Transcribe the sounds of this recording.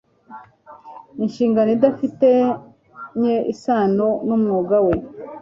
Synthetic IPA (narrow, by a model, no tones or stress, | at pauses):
inʃiːŋɡanoidafite | ɲeʔisaːnonumŋoːɡawe